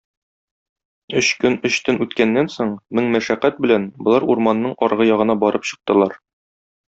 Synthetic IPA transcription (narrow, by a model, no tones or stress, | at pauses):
ɵɕkɵnɵ̆ɕt̪ɵnʉt̪kænːænsoɴmɘŋmæʃæqːæt̪̚bɘ̆lænbŏlˠɑɾuɾmɑnːɤɴɒɾʁɤjɒʁɤ̆nɑbɒɾʔɤpɕɤ̆q̚t̪ɤ̆lˠɑɾ